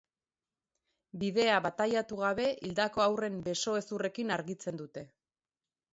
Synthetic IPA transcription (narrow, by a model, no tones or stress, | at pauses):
bið̞e̞aβat̪ajat̪uɣ̞aβ̞e̞ʔild̪ako̞awre̞mbe̞so̞e̞sure̞kinaɾɣit͡se̞nd̪ut̪e̞